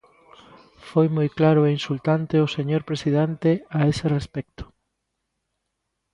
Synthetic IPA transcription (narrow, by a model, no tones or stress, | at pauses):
fojmojklaɾʊeinsult̪ant̪eʊseɲoɾpɾesiðɛnt̪eaeserespɛk̚t̪ʊ̥